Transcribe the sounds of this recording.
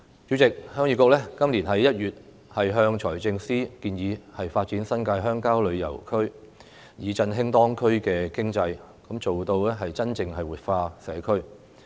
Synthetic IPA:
t͡ʃy˨˥t͡sɪ˨k̚hœː˥ŋjyː˨˧˥kɔː˧klɛ˥kɐ˥mliː˨˩nɦɐ˨˥jɐ˥t̚jyː˨˩t̚ | hɐ˨jɦœː˧ŋt͡ʃʰɔː˨˩jt͡sɪ˧ŋsiː˥kiː˧njiː˨˧hɐ˨jfaː˧t̚t͡siː˨˥nsɐ˥nkaː˧jɦœː˥ŋkaː˥wlɵ˨˧ɥjɐ̰˨˩wkʰɵ˥ɥ | jiː˨˧t͡sɐ˧nɦɪ˥ŋt̪ɔː˥ŋkʰɵ˥ɥkɛː˧kɪ˥ŋt͡sɐ˧j | kɐ˨˥mt͡so˨wt̪o˧wɛː˥ɦɐ˨jt͡sɐ˥nt͡sɪ˧ŋɦɐ˨˩jwuː˨t̚faː˧sɛː˨˥kʰɵ˥ɥ

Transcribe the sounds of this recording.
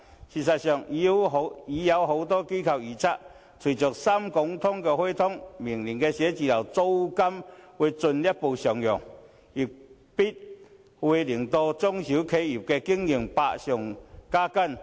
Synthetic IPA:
ɕi˨˩sa˨˩ɕjɔ˨˩ŋi˧˦ɦi˨˦ja˨˧wɦo˨˩wt̪ɔː˦˥ki˦kʰa˨˩wi˨˩t͡sʰa˦˥ʔ | t͡sʰwi˨˩t͡ɕɔ˨˩k̚sa˦mkɔ˨˦ŋt̪ʰɔ˦ŋkɛ˧hwe˦t̪ʰɔ˥ŋmi˨˩ŋli˨˩ŋke˧ɕje˨˦t͡ɕi˧˨la˨wt͡so˦wka˦mwe˧t͡sʊ˧nlja˦˥po˧˩ɕɔ˨˩ŋjɔ˨˩ŋ | i˨˩ | pi˦˥t̚ | hwe˧li˨˩əŋt̪ɔ˧t͡sɔ˦˥ŋɕi˨˦kʰe˧˦i˨˩p̚ke˧ki˧˥əŋi˨˩ŋpa̰˧ɕjɔ˨˩ŋkaː˦˥ka˥˨n

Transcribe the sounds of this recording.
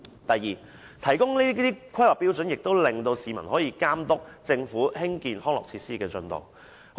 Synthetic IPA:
t̪ɐ˨jːiː˨˩ | t̪ʰɐ˨˩jkʊ˥ŋniː˥t̪iː˥kʰɐ˥jwɐ˨k̚pi˥wt͡sɵ˨˥njɪ˨k̚t̪o˥wlɪ˨ŋt̪o˧wsiː˨˧mɐ˨˩nhɔː˨˥jiː˧kaː˥mt̪ʊ˥k̚t͡sɪ˧ŋfuː˨˥hɪ˥ŋkiː˧nhɔː˥ŋlɔ̰ː˨k̚t͡sʰiː˧t̚siː˥kɛː˧t͡sɵ˧nt̪o̰˨w

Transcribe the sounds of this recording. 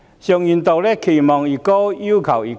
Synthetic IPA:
ɕjɔ˧ŋi˨nt̪ɔ˨˩le˦kʰi˨mɔ˨ŋi˨˩kɔ˦i˦kʰa˨wi˨

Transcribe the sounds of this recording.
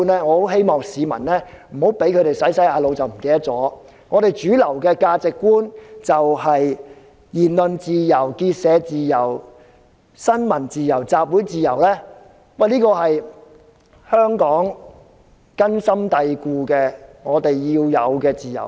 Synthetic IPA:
nlɛː˥ŋɔː˨˧o˨˥wɦe˥jmɔː˨ŋsiː˨˧mɐ̰˨˩nlɛː˥ | m̩˨˩ho˨˥wpe˨˥jkʰɵ˨˧ɥɾe˨jsɐ˨˥jsɐ˨˥jaː˨˧lo˨˧wt͡sɐ˨wm̩˨˩ke˥jt̪ɐ˥t̚t͡sɔː˨˥ | ŋɔː˨˧t̪e˨jt͡ʃyː˨˥lɐ˨˩wkɛː˧kaː˧t͡sɪ˨kːuː˥nt͡sɐ˨whɐ˨j | jiː˨˩nlɵ˨nt͡siː˨jɐ˨˩wkiː˧t̚sɛː˨˧t͡siː˨jɐ˨˩w | sɐ˥nmɐ˨˩nt͡siː˨jɐ˨˩wt͡saː˨p̚wu˨˥jt͡siː˨jɐ˨˩wlɛː˥ | wɐ˥˨jliː˥kɔː˧ɦɐ˨j | hœː˥ŋkɔː˨˥ŋ | kɐ˥nsɐ˥mt̪ɐ˧jkuː˧kɛː˧ŋɔː˨˧t̪e˨jːiː˧wjɐ̰˨˧wkɛː˧t͡siː˨˩jɐ̰˨˩w

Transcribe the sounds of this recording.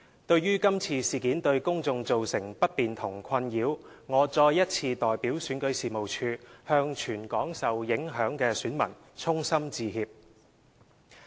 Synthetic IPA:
t̪ɵ˧ɥjyː˥kɐ˥mt͡sʰiː˧siː˨kiː˨˥nt̪ɵ˧ɥkʊ˥ŋt͡sʊ˧ŋt͡so˨wsɪ˨˩ŋpɐ˥t̚piː˨nt̪ʰʊ˨˩ŋkʰɐ˧njiː˨˧˥w | ŋɔː˨˧t͡sɔː˧jːɐ˥t̚t͡sʰiː˧t̪ɔː˨jpiː˨˥wsyː˨˥nkɵ˨˥ɥsiː˨mo˨wt͡ʃʰyː˧hœː˧ŋt͡ʃʰyː˨˩nkɔː˨˥ŋsɐ˨wjɪ˨˥ŋɦœː˨˥ŋkɛː˧syː˨˥nmɐ̰˨˩n | t͡sʰʊ˥ŋsɐ˥mt͡siː˧ɦiː˧p̚

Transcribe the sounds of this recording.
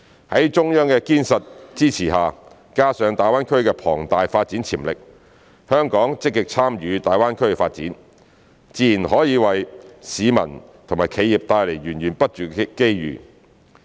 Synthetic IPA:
hɐ˨˥jt͡ʃʊ˥ŋjœː˥ŋkɛː˧kiː˥nsɐ˨t̚t͡siː˥t͡sʰiː˨˩ɦaː˨ | kaː˥sœː˨˧ŋt̪aː˨jwaː˥nkʰɵ˥ɥkɛː˧pʰɔː˨˩ŋt̪aː˨jfaː˧t̚t͡siː˨˥nt͡sʰiː˨˩mlɪ˨k̚ | hœː˥ŋkɔː˨˥ŋt͡sɪ˥k̚ːɪ˨k̚t͡sʰaː˥mjyː˨˧t̪aː˨˧jwaː˥nkʰɵ˥ɥɛ˧faː˧t̚t͡siː˨˥n | t͡siː˧˩ji˨˩nɦɔː˨˥jiː˨˧wɐ˨jsiː˨˧mɐ̰˨˩n | t̪ʰʊ˨˩ŋmaː˨˩jkʰe˨˧ji˨p̚t̪aː˧jle˨˩jɥyː˨˩nɥyː˨˩npɐ˥t̚t͡ʃyː˨˩ke˥jjy̰ː˨˩

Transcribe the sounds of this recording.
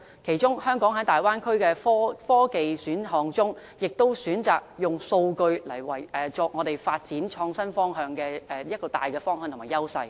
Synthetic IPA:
kʰe˨˩jt͡ʃʊ˥ŋhœː˥ŋkɔː˨˥ŋɦɐ˨˥jt̪aː˨˩jwaː˥nkʰɵ˥ɥkɛː˧fɔː˥fɔː˥ke˨jsyː˨˥nɦɔː˨˧ŋt͡sʊ˥ŋ | jɪ˨k̚t̪o˥wsyː˨˥nt͡saː˨k̚jʊ˨ŋso˧wkɵ˧ɥlɐ˨˩jwɐ˨˩jʔɛ˨t͡sɔː˨˧k̚ŋɔː˨˧ɾe˨jfaː˧t̚t͡siː˨˥nt͡ʃʰɔː˧ŋsɐ˥nfɔː˥ŋɦœː˧ŋkɛː˧ɛː˨li˥ɐ˥kːɔː˧t̪a̰ː˨jkɛː˧fɔː˥ŋhœː˧ŋt̪ʰmaː˨˩jɐ˥wsɐ˧j

